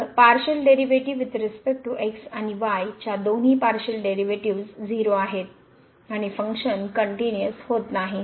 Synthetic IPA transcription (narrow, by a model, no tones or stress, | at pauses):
ɾpaɾɕəlɖeɾiʋeʈiʋit̪ɾispek̚ʈuʔeksañiʋajt͡ɕjad̪on̤ɦiːpaɾɕəlɖeɾiʋeʈiʋsd͡ziɾoaɦet̪ | aɽ̃ifəŋkɕənkəɳʈinjəshot̪naɦi